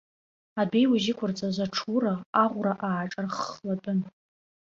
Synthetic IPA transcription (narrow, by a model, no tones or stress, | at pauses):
abe̞jwaʒɪkʷʰʊrt͡sʼazʷaʈ͡ʂʰuɾaːʁʷraʔaːʈ͡ʂʼarχladʼʊn